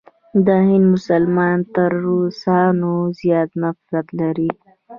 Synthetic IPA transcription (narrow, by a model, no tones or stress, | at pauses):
d̪əhɪnd̪mʊsalmɑnt̪əɾːusɑnozjɑt̪nafɾat̪laɾi